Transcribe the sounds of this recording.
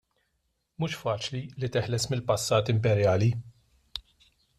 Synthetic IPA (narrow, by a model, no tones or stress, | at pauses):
muːʃfɐːt͡ʃlilit̪ɪħlɛsmɪlpɐsːɐːt̪ɪmpɛɾjɐːli